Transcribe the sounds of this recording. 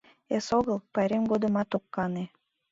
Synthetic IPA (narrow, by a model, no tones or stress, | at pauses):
esoɣəlˠpɑɾemɡod̪ə̆mɑt̪okːɑne